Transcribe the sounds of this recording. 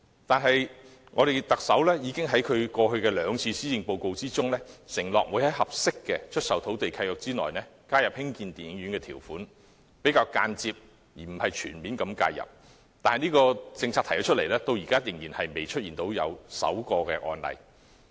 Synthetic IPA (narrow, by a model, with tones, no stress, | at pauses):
t̪aː˨nɦɐ˨j | ŋɔː˨˧ɾe˨jt̪ɐ˨k̚sɐ˨˥wlɛː˥jiː˨˧kɪ˥ŋɦɐ˨˥jkʰɵ˨˧ɥkɔː˧hɵ˧ɥkɛː˧lœː˨˧ŋt͡sʰiː˧siː˥jɪ˨˧ŋpo˧wko˧wt͡siː˥t͡sʊ˥ŋlɛː˥sɪ˨˩ŋlɔː˨k̚wuː˨˧jhɐ˨˥jɦɐ˨p̚sɪ˥kːɛ˧t͡ʃʰɵ˥t̚sɐ˨˩wt̪ʰo˨˥wt̪e˨jkʰɐ˧jœː˨˩k̚t͡siː˥nɔ̰ː˨jnɛː˥kaː˥jɐ˨p̚hɪ˥ŋkiː˧nt̪iː˨˩ɪ˨˧ŋɥyː˨˥nkɛː˧t̪ʰiː˨˩wfuː˨˥n | pe˨˥jkaː˧wkaː˧nt͡siː˧p̚ | jiː˨˩m̩˨˩hɐ˨jt͡ʃʰyː˨˩nmiː˨˥nkɐ˨˥mka̰ː˧˩jɐ̰˨p̚ | t̪aː˨nhɐ˨jniː˥kɔː˧t͡sɪ˧ŋt͡sʰaː˧t̪ʰjɐ˨˥t͡ʃʰɵ˥t̚le˨˩lɛː˥t̪o˧wjiː˨kaː˥jɪ˨˩ŋjiː˨˩nhɐ˨jme˨jt͡ʃʰɵ˥t̚iː˨nt̪o˨˥wjɐ̰˨˧wsɐ̰˨˥wkɔː˧kɛː˧ʔɔ̰ː˧nlɐ̰˨˩j